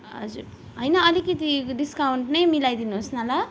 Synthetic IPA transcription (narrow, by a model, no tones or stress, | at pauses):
ɦʌ̰d͡zṵɾ | ɦʌjnʌːlikʌt̪iɖiskawɳʈnʌjmilajd̪inuɦosnala